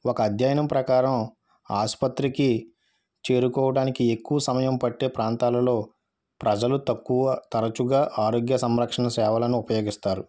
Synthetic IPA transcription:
ɔkɐːd̪ʱjaːjɐnɐmpɾɐkaːɾɐm | aːspɐt̪ɾiki | t͡ʃe̞ːɾukɔːʋɐɽaːnikiekːuʋɐsɐmɐjɐmpɐʈːe̞ːpɾaːnt̪aːlɐlo̞ː | pɾɐd͡ʒɐlut̪ɐkːuʋɐt̪ɐɾɐt͡ʃuɡaːʔaːɾo̞ːɡjɐsɐmɾɐkʂɐɳɐsɛːʋɐlɐnuupɐjo̞ːɡist̪aːɾu

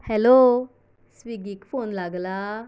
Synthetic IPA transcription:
hɛlo | sʋiɡikfonlaɡla

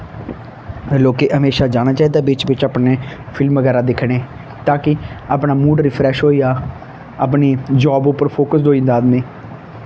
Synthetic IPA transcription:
loːkeːʔəmeːʃaːd͡ʒaːɽ̃aːt͡ʃaːiːd̪aːbɪt͡ʃʋɪt͡ʃaːpneːpʰɪlmʋəɡɛːɾãːd̪ɪkʰːɽ̃eː | t̪ãːkɪaːpnaːmuːɖɾɪpʰɾɛːʃɦoːiːaː | a̰pniːd͡ʒɔːbʊpːəɾpʰoːkəs̬d̪oːĩːnd̪aːd̪neː

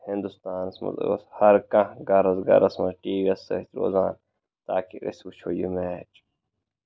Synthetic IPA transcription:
hind̪ust̪aːnsmɐ̰z̰wɐ̰shɐɾkɐ̃ɡɐɾɐzɡɐ̰ɾɐsmɐʈiːʋiɐsɐ̰it̪ɾo̰ːzaːn | t̪aːkiɾḭswut͡ʃʰojumeːt͡ʃ

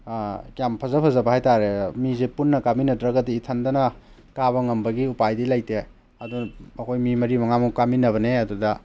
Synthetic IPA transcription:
kjampʰɐzɐpʰɐzɐbɐhajtaɾemizepunːɐkaminɐdɾɐɡɐdiːtʰɐndɐnɐ | kaβɐŋɐmbɐɡiupajdilajte | ɐdunɐkʰojmimɐɾimɐŋamukaminɐβɐneɐdudɐ

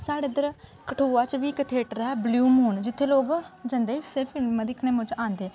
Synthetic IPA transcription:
saːɽeːd̪əɾkəʈʰoːaːt͡ʃʋiːkət̪ʰeːʈɾɦɛːbluːmuːnd͡ʒɪt̪ʰːeːloːɡd͡ʒənd̪eːseːfʰɪlmːəd̪ɪkʰnẽːmʊ̃t͡ʃãːnd̪eː

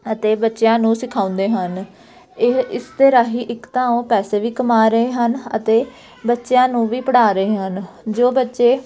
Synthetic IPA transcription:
ət̪eːbətːʃjãːnũːsɪkʰaːʊ̃nd̪eːɦən | ɪst̪eːɾaːɦiːʔɪkt̪ãːõːpɛːseːʋiːkəmaːɾəɦeːɦənə̰t̪eː | bətːʃejãːnũːʋiːpəɽaːɾəeːɦən | d͡ʒoːbətːʃeː

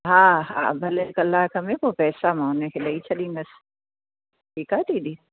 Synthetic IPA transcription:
ɦãːɦã̰bʱɐlekɐlːaɦkɐmẽkopɛːsamãːnekʰelait͡ʃʰɐlĩːŋɡɐs | ʈʰiːkaʈʰiːd̪iː

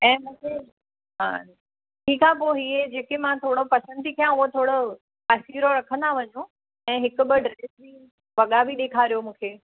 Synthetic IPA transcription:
ɛ̃ːmũːkʰe | ɦa̰ː | ʈʰiːkʰãpoːɦiːed͡ʑeːkemãt̪ʰoːɽopɐsə̃nd̪ikʰjãʊɦot̪ʰoːɽo | pasiːɾoɾɐkʰə̃nd̪aʋɐɲo | ɛ̃ːɦɪkʊ̆bɪɖɾeːsbi | ʋɐɠabʱiɗ̪eːkʰaːɾijomũːkʰeː

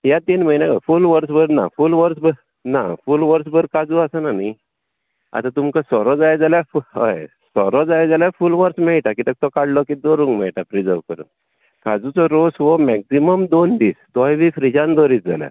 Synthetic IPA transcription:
jat̪iːnməɦinjãkafulʋəɾs̬bəɾna̰fulʋəɾsbəɾ | nafuːlʋəɾs̬bəɾkad͡zuasananaj | a̰t̪ãt̪umkasɔɾɔd͡zajd͡zaljafuɦə̰j | sɔɾɔd͡zajd͡zaljafulʋəɾsmɛɭʈakit̪ək̚t̪ɔkaɽlɔkid̪oɾuŋɡmɛ̰ɭʈafɾid͡zəʋkəɾṵ | kad͡zut͡sɔɾosʋɔmɛksiməmd̪ond̪iːsd̪ɔjʋifɾid͡zãnd̪ɔɾiːt͡s̚d͡za̰lja̰

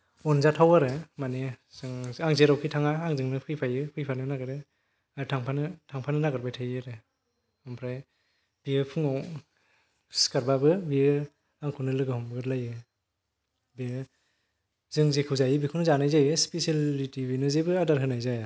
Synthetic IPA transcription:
ɔnzatʰawaɾɯmanezɯŋaŋzeɾawkʰitʰaŋaːŋzɯŋnɯpʰɯjpʰajɯpʰɯjpʰanɯnaɡɯɾɯ | atʰaŋpʰanɯtʰaŋpʰanɯnaɡɯɾbajtʰajɯɾɯ | ɔmpʰɾaj | b̥iɯpʰɯŋaw | skaɾbabɯbiɯ | aŋkʰunɯlɯɡɯhɔmbɯɡɯɾlajɯ | biɯ | zɯŋzekʰɯwzajɯbikʰunɯzanajzajɯspesalitibinɯzebɯadaɾɦɯnajzaja

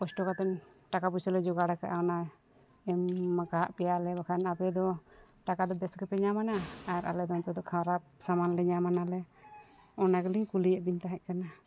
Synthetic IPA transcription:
kɔsʈɔkat̪ɛnʈakapusɔlɛd͡ʒɔɡaɽakaʔaɔna | ɛmːakaʔpɛjalɛbakʰanapɛd̪ɔ | ʈakad̪ɔbɛskɛpɛɲamanaːɾʔa̰lɛd̪ɔnt̪ɔd̪ɔkʰawɾap̚samanlɛɲamanalɛ | ɔnaɡɛliɲkulijɛʔbint̪aɦɛc̚kana

